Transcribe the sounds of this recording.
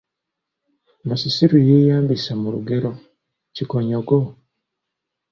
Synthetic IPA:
masisiɾujejaːmbisamuɾuɡeɾo | cikoɲaɡo

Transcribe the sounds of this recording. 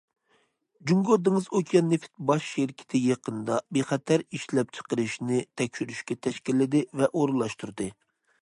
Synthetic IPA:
d͡ʒuŋɡod̪ɨŋɨzokʲʰijɑnːefɪ̥t̪̚bɑʃʃeɾkʲʰɪ̥t̪ʰɪjeqənd̪ɑbeχɛt̪ʰæɾiʃlɛp̚t͡ʃʰə̥qəɾɨʃnɪt̪ʰɛkʲʃyɾyʃkʲɛt̪ʰɛʃkʲilːɪd̪ɪvɛʔoɾɨlˠɑʃt̪uɾɨd̪ɨ

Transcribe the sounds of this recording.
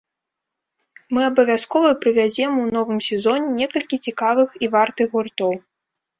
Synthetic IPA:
mɨɐbɐvʲaskɔvɐpɾɨvʲad͡zʲɛmunɔvɨmsʲɛzɔnʲɛnʲɛkɐlʲkʲit͡sʲikavɨxivart̪ɨɣɣurt̪ɔw

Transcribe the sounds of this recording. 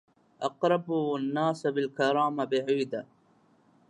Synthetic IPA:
ʔɑqɾˤɑbanːaːsabɪlkaɾˤɑːmabɪʕiːd̪a

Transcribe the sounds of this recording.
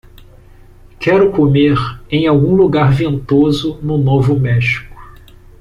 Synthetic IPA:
kʰɛɾʊkomeɾẽj̃awɡũluɡaɾvẽnt̪ozʊnʊnovʊmɛʃi̥kʊ̥

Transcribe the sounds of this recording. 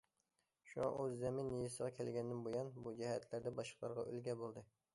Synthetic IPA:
ʃuŋɑ̰øzːɛmɪnːijisəʁɑkʲʰɛlɡʲɛnd̪ɪnbojɑnbud͡ʒɛhɛt̪ʰlæɾd̪ɛbɑʃqlˠɑɾʁɑ̰ʔø̰lɡʲɛbolˠd̪ɨ

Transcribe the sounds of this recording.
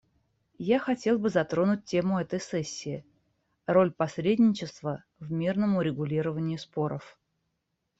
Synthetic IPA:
jaxɐtʲe̞lˠbɨzɐt̪ɾo̞nʊt̚ʲtʲːe̞mʊɛt̪əjsɛsʲːɪɪ | ro̞lʲpɐsɾʲedʲnʲɪt͡ɕɪst̪və | vmʲirnəmʊɾʲɪɡʊlʲiɾəvənʲɪjʊspo̞ɾəf

